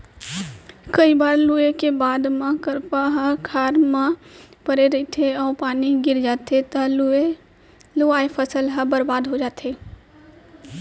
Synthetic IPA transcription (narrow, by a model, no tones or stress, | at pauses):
kəibaːɾluekebaːd̪mə̃kəɾpaɦə̃kʰaːɾmãpəɾeɾəit̪ʰeɔːɾpaːniɡɪɾd͡ʒaːt̪ʰet̪əle | luaːepʰəsəlɦə̃bəɾbaːd̪ɦod͡ʒaːt̪ʰeː